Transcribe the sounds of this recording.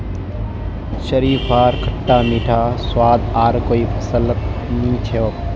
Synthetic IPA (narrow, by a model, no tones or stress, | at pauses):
ʃəɾiːpʰaːɾkʰəʈːaːmiːʈʰaːswaːd̪aːɾkoːipʰɐsələt̪nĩt͡ʃʰeʋ